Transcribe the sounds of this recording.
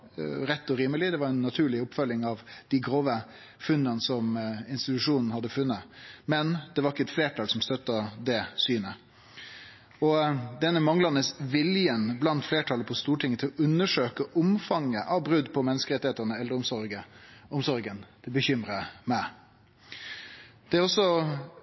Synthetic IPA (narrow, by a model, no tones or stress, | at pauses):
ɾɛt̪ːɔɾiːməlɪd̪ɛʋɑɾɛnːɑt̪ʰʉːɭɪʊpfœlːɪŋɑʋd̪̥ɪɡɾoːʋə | fʉnd̪ənsɔmɪnst̪ɪt̪ʉʂuːnn̩hɑd̪ːəfʉnːəmɛnd̪ɛʋɑɾɪkːəɛt̪fleːʈʰɑːlsɔmst̪œt̪ːəd̪ɛsyːnə | ɔd̪ɛnːəmɑŋlɑnəsʋɪljənblɑnt̪fleːʈʰɑːləpʰɔst̪uːʈʰɪŋːət̪ʰɪlʔʉnːəʂøːkəʔʊmfɑŋːəʔɑʋbɾʉd̪pʰɔmɛnːəskəɾɛt̪ɪheːt̪əɾnəɛlːəɾʊmsɔɾɡəʊmsɔɾɡənd̪ɪbəçʏmɾəmæɪ | d̪̥ɛæɾɔsːɔ